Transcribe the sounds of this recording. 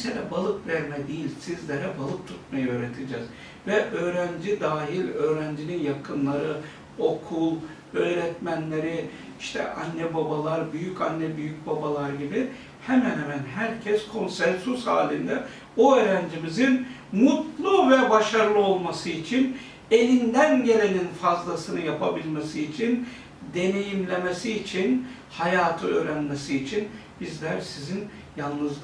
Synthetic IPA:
ɛselʲɛbalˠɯkvɛɾmɛd̪ijilʲsizlʲeɾɛbalˠɯk̚t̪ʰu̥t̪̚majɯø̞ːɾet̪ʰid͡ʒɛz̥ | vɛʔø̞ːɾænd͡ʒid̪aːɦilʲø̞ːɾænd͡ʒininjakʰɯnlˠaɾɯ | o̞kʰulˠ | øːɾɛt̪mænlʲeɾi | iʃt̪ʰɛ̰ʔanːɛbabalˠaɾbyjycʰanːɛbyjyc̚babalˠaɾɟibi | hɛmænhɛmænɦæɾcʰɛskʰo̞nsɛnsysha̰ːlʲind̪ɛ | oøːɾænd͡ʒimizinmut̪lˠuvɛbaʃaɾlˠɯo̞lˠmasɯit͡ʃʰin | e̞lʲind̪ænɟe̞lʲe̞ninfazlˠasɯnɯjapʰabilʲmesiːt͡ʃʰin | d̪e̞ne̞jimlʲe̞mesiːt͡ʃʰin | hajaːt̪ʰɯø̞̰ːɾænmesiːt͡ʃʰinb̥izlʲæɾsizin | jalˠnɯz

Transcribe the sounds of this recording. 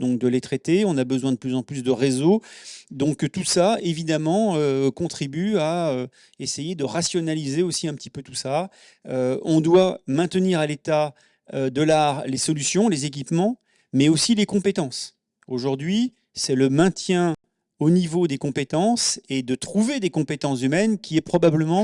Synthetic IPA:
d̪ɔ̃k̚d̪əlet̪χɛt̪eɔ̃nabəzwɛ̃d̪əplyzɑ̃plys̬d̪əʁezod̪ɔ̃kt̪usaevid̪amɑ̃økɔ̃t̪χibyaø | esejed̪əʁasjɔnalizeosiɛ̃pət̪ipøt̪usa | øɔ̃d̪wamɛ̃t̪əniʁalet̪a | ød̪əlaʁlesɔlysjɔ̃lezek̬ʲipmɑ̃ | mɛosilekɔ̃pet̪ɑ̃s | oʒuʁd̪ɥi | sɛləmɛ̃t̪jɛ̃ | onivod̪ekɔ̃pet̪ɑ̃sed̪ət̪χuved̪ekɔ̃pet̪ɑ̃s̬zymɛnkʲiɛpχɔbabləmɑ̃

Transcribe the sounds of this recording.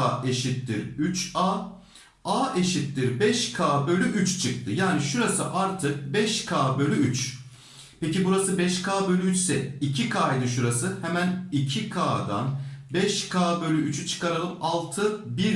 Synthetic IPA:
eʃit̪ːiɾyt͡ʃaː | aːʔeʃit̪ːiɾbɛʃkʰaːbø̞lʲyʔyt͡ʃt͡ʃʰɯk̚t̪ʰɯjaːniʃuɾasɯʔaɾt̪ʰɯk̚bɛʃkʰaːbølʲyyt͡ʃ | pecibuɾasɯbɛʃkʰaːbø̞lʲyyt͡ʃsɛ̰icʰikʰaːjd̪ɯʃuɾasɯhemænicʰikʰaːd̪a̰nbɛʃkʰaːbø̞lʲyyt͡ʃʰt͡ʃʰɯ̥kaɾalˠɯmalˠt̪ʰɯbiɾ

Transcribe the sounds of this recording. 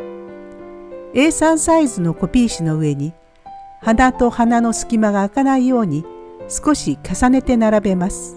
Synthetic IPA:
e̞ːsãɰ̃saizɨno̞ko̞pʲiːɕino̞ɯ̟e̞ɲ̟i | hanat̪o̞hanano̞sɨ̥kʲimaɡaːkanaijo̞ːɲ̟isɨ̥ko̞ɕikasane̞t̪e̞naɾabe̞masɨ̥

